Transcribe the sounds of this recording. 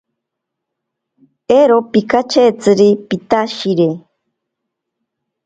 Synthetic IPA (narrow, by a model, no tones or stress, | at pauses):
eɾopikat͡ʃʰet͡sɨɾipit̪aʃiɾe